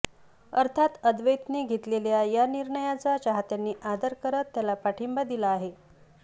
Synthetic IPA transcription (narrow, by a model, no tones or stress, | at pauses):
əɾt̪ʰat̪əd̪ʋəjt̪niːɡʱet̪leljajaniɾɳəjat͡saɕaɦat̪janːiːʔad̪əɾkəɾət̪ːjalapaʈʰimbad̪ilaːɦe